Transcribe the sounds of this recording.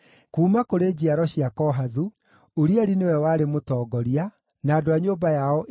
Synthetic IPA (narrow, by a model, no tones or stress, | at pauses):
kuːmakoɾeːd͡ʑiaɾɔɕiakɔɦaðu | oɾiaɾinewɛwaːɾemotɔːɡɔɾia | naːdoaɲoːbajaɔʔ